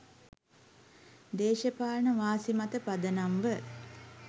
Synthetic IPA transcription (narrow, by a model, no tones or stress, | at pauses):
d̪eːʃəpaːnəʋaːsimat̪əpad̪ənamʋə